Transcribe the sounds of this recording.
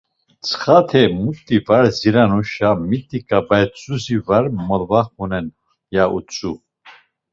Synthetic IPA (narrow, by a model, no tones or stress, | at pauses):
t͡sʰχat̪ʰɛmut̪ʼːivaɾziɾanuʃamit̪ʼikʼabajt͡sʼuzivaɾmɔlvaχunɛn | jaʔut͡sʼu